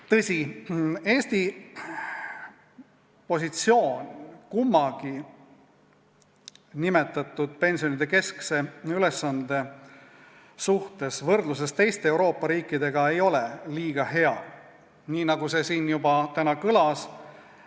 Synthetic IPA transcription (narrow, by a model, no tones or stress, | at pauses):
t̪ɤ̞sʲie̞ːst̪i | po̞sit̪sio̞ːnʲkumːɑɡ̥i | nime̞t̪ːˑɑt̪ːˑud̪̥̚pe̞nsijo̞nid̪̥e̞ke̞skse̞ylesːɑnd̪̥e̞ | suht̪e̞svɤrd̪lus̬e̞st̪e̞jst̪eewɾo̞ːpːˑɑɾiːkːid̪e̞ɡ̥ɑe̞jo̞lɛliːɡ̥ɑɦe̞ɑ̰ | niːnɑɡuse̞siːnjubɑt̪ænɑkɤlɑs